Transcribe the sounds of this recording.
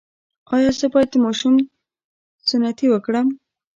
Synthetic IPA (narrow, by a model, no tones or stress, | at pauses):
ɑjɑsəbɑjat̪̚d̪əmɑʃum | sʊnat̪iwəkɽəm